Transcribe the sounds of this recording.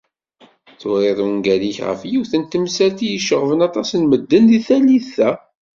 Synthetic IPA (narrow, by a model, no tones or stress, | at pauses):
θʊɾˤeðˤunɡæliçʁə̰fjiwθənt̪əmsælt̪ijəʃəʁvənɑt̪ˤɑsənməd̪ːənðiθæliθæ